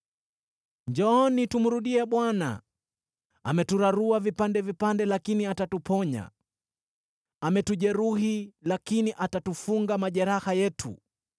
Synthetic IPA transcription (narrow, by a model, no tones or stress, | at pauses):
ɲd͡ʒɔːnitumuɾuɗiɛɓwana̰ | amɛtuɾaɾuavipandɛvipandɛlakiniatatupɔɲa̰ | amɛtuʄɛɾuɦilakiniʔatatufuŋɡamaʄɛɾahajɛtʰṵ